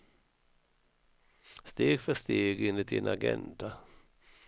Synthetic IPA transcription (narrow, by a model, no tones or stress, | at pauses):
st̪eːɡfœʂt̪eːɡɡɪnlɪt̪̚d̪ɪ̰nʔaɡɛ̰nd̪a